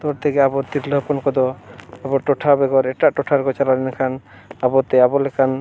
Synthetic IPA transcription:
t̪ɔɾt̪ʰekeabɔɾt̪iɾlɔpɔnkɔd̪ɔabɔʈɔʈʰabɛɡɔɾɛʈaʔʈɔʈʰaɾɡɔt͡ʃalalinɛkʰan | abɔt̪eabɔlekʰan

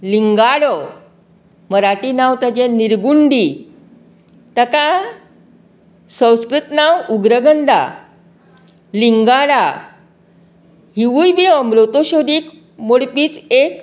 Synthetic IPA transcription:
liŋɡaɽə | məɾaʈinaʋt̪ad͡ʑeniɾɡuɳɖi | t̪əka | sə̃w̃skɾut̪nawuɡɾəɡənd̪ʱa̰ | liŋɡaɽa | ɦiʋujbiəmɾot̪oɕod̪iːk | moɽpiːt͡sek

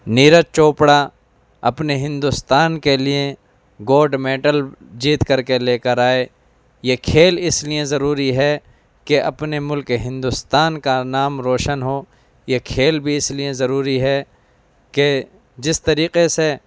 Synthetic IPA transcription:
niːɾət͡ʃoːpɽa | ɐ̰pneɦɪ̃nd̪ʊst̪aːnkeliẽ | ɡoːɾɖmeːʈəld͡ʒiːt̪kɐɾkeleːkəɾaːe | jekʰeːlɪsliẽzɐɾuːɾiɦɛ | keʔɐ̰pnemʊlkeɦɪ̃nd̪ʊst̪aːnkanaːmɾoːʃənɦoː | jekʰeːlbʱiɪsliẽzɐɾuːɾiɦɛ | ke | d͡ʒɪst̪ɐɾiːqese

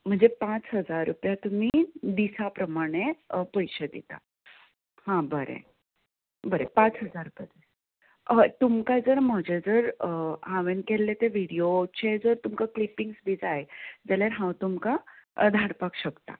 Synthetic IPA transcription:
m̤əɳd͡zepãt͡sɦəd͡zaɾːupjat̪um̤id̪isapɾəmaɽ̃epəjɕəd̪it̪a̰ | hãbəɾḛ | bəɾḛpãt͡sɦəd͡zaɾpəd̪e | ət̪umkad͡zəɾm̤əd͡ʑed͡zəɾãʋenkelːet̪eʋiɽijot͡ɕʰed͡zəɾt̪umkaklipiŋɡsbid͡zajd͡zaljaɾɦãwt̪umkad̪ʱaɽpakɕəkt̪a̰

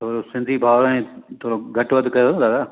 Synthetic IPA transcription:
t̪ʰoːɾosɪ̃nd̪ʱibʱaːʋɾẽt̪ʰoːɾoɡʱɐʈʋɐd̪ʱkɐjoɦnd̪aːt̪aː

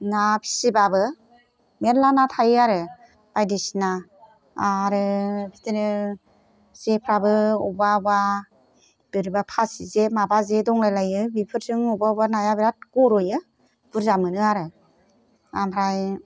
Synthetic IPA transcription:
napʰi̥sibabɯ | meɾlanatʰajaɾɯ | b̥ajdisinaː | ɾɯbʰitɯnɯ | sepʰɾabɯɔbawa | b̥ɯɾɯbapʰasizemabazedɔŋlajlajɯbipʰɯɾsɯŋɔbabanajabiɾat̚ɡɔɾɔjɯ | b̥ɯɾzamɯnɯaɾɯ | ampʰɾaj

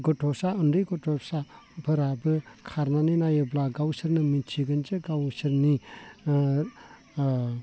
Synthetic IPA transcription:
ɡɔtʰɔsaɯndɯjɡɔtʰɔsabʱɯɾabɯkʰaɾnaninajeblaɡawsɯɾnɯmit͡ʃʰiɡɯnd͡ʒeɡawsɯɾni

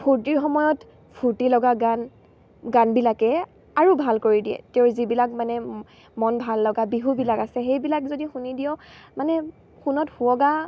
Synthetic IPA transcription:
pʰuɹtiɹxɔmɔjɔt | pʰuɹtilɔɡaɡan | ɡanbilakɛ | aɹubʱalkoɹidiɛ̰teʊzibilakmanɛ | mɔnbʱalːɔɡabiɦubilakasɛxejbilakzodixunidijɔmanɛ | xunɔthuɔɡa

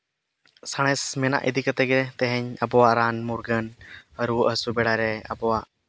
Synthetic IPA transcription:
saɽ̃ɛsmɛna̰ʔḭd̪ʱikət̪ɛɡɛt̪ɛɦɛɲəbɔwaʔɾanmuɾɡənəɾuʔɦəsubɛɽaɾɛə̰bɔwaʔ

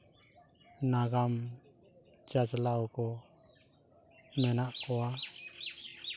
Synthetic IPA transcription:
naɡam | t͡ʃad͡ʒlawkɔ | mɛnaʔkoa

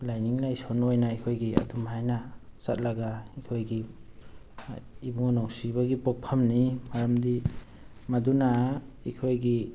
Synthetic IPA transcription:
lajniŋlajsonojnaikʰojɡia̰dumhajnasat̚laɡaikʰojɡi | ibuŋɔnawsibaɡipɔk̚pʰamnimaɾamdi | maduna | ikʰojɡi

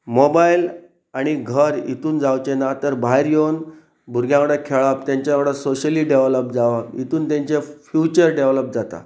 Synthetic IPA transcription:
mobail | aɽ̃iɡʱəɾḭt̪uːnd͡zawt͡ɕenat̪əɾbʱajɾjown | bʱuɾɡjãʋɽəkʰeɭap̚t̪jãɲt͡ɕjaʋɽəsoɕəliɖeʋləp̚d͡zaʋapḭt̪uːnt̪jãɲt͡ɕefjut͡ɕəɾɖeʋləp̚d͡zat̪a̰

